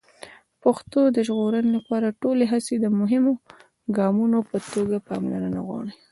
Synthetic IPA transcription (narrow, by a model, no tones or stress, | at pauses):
paxt̪od̪əʒɣoɾənelapɑɾaʈoleɦased̪əmʊɦɪmo | ɡɑmunopət̪oɡapɑmla̰nəna̰ɣwɑ̰ɽi